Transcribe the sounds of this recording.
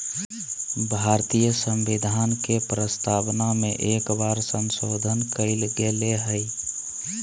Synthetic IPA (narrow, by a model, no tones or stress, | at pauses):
bʱaɾt̪ijəsəmbid̪ʱankepɾəst̪abnameʔekbaɾsəmsod̪ʱənkəɪlɡeleɦəɪ